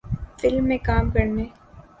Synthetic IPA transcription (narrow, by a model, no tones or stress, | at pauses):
fɪlmːẽkaːmkɐɾneː